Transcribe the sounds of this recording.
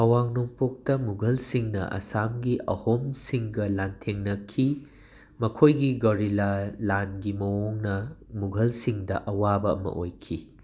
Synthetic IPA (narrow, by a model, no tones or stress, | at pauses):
ɐwaŋnoŋpok̚tɐmuɡʱɐlsiŋnɐ̰ʔɐ̰samɡiʔɐ̰homsiŋɡɐlantʰeŋnɐkʰi | mɐkʰojɡiɡɐwɾilalanɡimɐwoŋnɐmuɡʱɐlsiŋdɐʔɐwabɐɐ̰mɐ̰ʔojkʰi